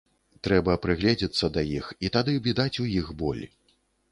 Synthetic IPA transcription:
t̪ɾɛbɐpɾɨɣlʲɛd͡zʲit̪sːɐd̪ɐjixit̪ad̪ɨbʲid̪at͡sʲujixbɔ̰lʲ

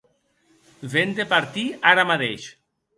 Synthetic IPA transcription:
vend̪epaɾt̪iaɾamat̪eʃ

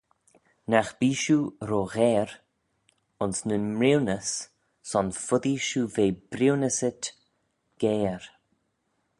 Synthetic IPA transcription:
naxb̥iːʃuːɾoɣɛːɾ | ʊnsnənmɹiwnəsː | ɔnfʊd̪iʃuːveːb̥ɾiwnəsɪt̪ | ɡ̥eːɾ

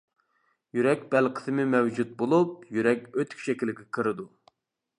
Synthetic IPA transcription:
jyɾɛkʲbɛlqʰə̥sɨmɪmɛwd͡ʒut̪̚bolˠup̚jyɾɛkʲøt̪ʰy̥kʲʃɛkʲilɪɡʲɛkʰɨɾɨd̪u

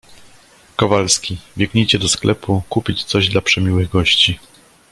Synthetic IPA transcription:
kɔvalskʲivʲjɛɡɲejt͡ɕɛd̪ɔsklɛpukupʲit͡ɕt̪sɔʑd̪lapʂɛmʲiwɘɣɡɔɕt͡ɕi

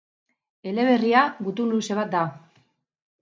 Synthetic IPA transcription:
e̞le̞β̞e̞riaβut̪unluse̞β̞at̪̚d̪a

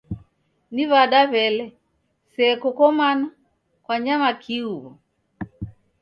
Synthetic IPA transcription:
niβaɗaβɛlɛ | sɛːkɔkɔmana | kwaɲamakʰiuβɔ

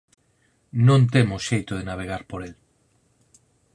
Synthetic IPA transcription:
nõnt̪emoʃejt̪oð̞enaβ̞eɣ̞aɾpoɾel

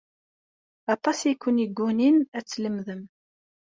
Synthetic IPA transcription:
ɑt̪ˤɑsjikʰʷːʊnjəɡʷːuninæt͡sːləmðəm

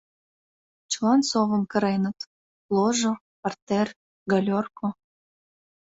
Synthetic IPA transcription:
t͡ɕlɑnsoβə̆mkə̆ɾenət̪ | loʒo | pɑrt̪er | ɡɑlʲorko

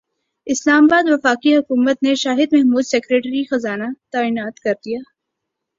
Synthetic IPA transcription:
ɪslaːmabaːd̪ʋɐfaːkiɦʊkuːmət̪neʃaːɦɪd̪mɛɦmuːd̪sɛːkɾeːʈɾixɐzaːnat̪aːiːnaːt̪kɐɾd̪ijaː

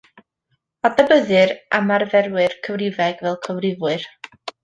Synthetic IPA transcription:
adabəðɨɾamarðɛrwɨrkʰəvrɪvɛɡvɛlˠkʰəvrɪvwɨr

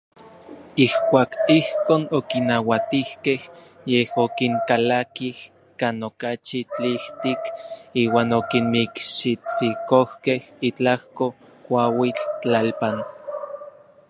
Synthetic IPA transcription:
ihkʷaːkihkoːnokinawat̪ihkeh | jehokiŋkalakih | kaːnokat͡ʃit͡ɬiht̪ikiːwaːnokinmikʃit͡sikohkehit͡ɬahko | kʷawit͡ɬt͡ɬalpan

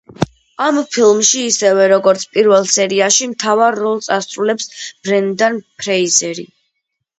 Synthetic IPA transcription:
ampʰilˠmʃiːsɛvɛɾɔɡɔɾt̪sʰpʼiɾvɛlˠsɛɾiaʃimt̪ʰavaɾːɔlˠt̪sʼasɾulɛpsb̥ɾɛnd̪anpʰɾɛizɛɾḭ

